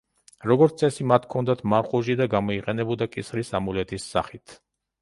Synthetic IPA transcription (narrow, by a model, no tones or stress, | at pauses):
ɾɔɡɔɾt̪sʼɛsimat̪ʰkʰɔnd̪at̪ʰmaɾχuʒid̪aɡamɔiqʼɛnɛbud̪akʼisχɾisamulɛt̪ʰisːa̰χit̪ʰ